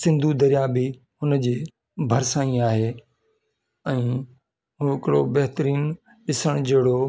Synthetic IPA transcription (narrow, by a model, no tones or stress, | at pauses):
sɪ̃nd̪ʱud̪ɐɾjabɪ | hʊnd͡ʑeː | bʱɐɾsãːĩaːɦeː | ɛ̃ː | ɦuːɦɪkɪɽobɐɦɪt̪ɾiːn | ɗɪsəɽ̃d͡ʑeːɽo